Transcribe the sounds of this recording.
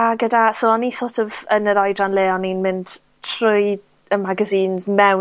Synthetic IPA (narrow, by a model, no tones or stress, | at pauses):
aɡədasoːɔnisoːtʰɔvənəɾajdranleːɔninmɪnd̥ | tʰrʊj | əmaɡaziːnzmɛw